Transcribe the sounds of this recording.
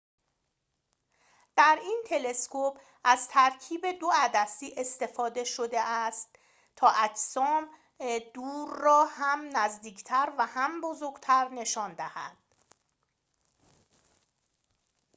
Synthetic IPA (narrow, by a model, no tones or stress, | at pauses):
d̪̥æɾiːnt̪ʰe̞le̞skʰopʰ | ʔæzt̪ʰæɾcʰiːbe̞d̪oæd̪æsiːʔest̪e̞fɒːd̪e̞ʃo̞d̪e̞ʔæst̪ | t̪ʰɒːʔæcsɒːm | d̪̥uːɾːɒːhæmnæzd̪iːcʰt̪ʰæɾvæhæmbo̞zoɾɡt̪ʰæɾne̞ʃɒːnd̪æhæ̰d̪̥